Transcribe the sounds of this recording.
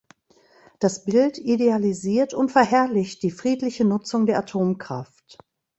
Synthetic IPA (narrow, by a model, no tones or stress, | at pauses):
d̥asb̥ɪltidealiziːɐtʊntfɛɐɦɛɐlɪçt̚d̥iːfʁ̥iːtlɪçənʊt͡sʊŋdeːɐʔatʰoːmkʁ̥a̰ft